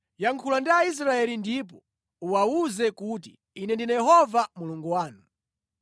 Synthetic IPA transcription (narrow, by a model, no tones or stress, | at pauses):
jaŋkʰulandiais̬ɾaɛlindip̬ɔ | uwauzɛkut̬i | inɛndinajɛɦɔvamuluŋɡuwaːnu